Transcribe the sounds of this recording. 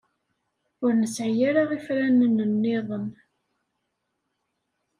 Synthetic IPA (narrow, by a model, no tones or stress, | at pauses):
ʊɾnəsʕjaɾaʁifɾænənənːɪðˤən